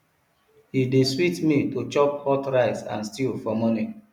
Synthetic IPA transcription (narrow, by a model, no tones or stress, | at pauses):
hideswitmitot͡ʃɔphɔtɹaɪsã̰nstilfɔmɔni